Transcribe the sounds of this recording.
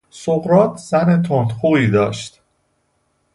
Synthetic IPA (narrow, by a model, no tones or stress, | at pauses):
soɣɾɒːt̪ʰz̥æne̞t̪ʰond̪xuːiːd̪ɒːʃt̪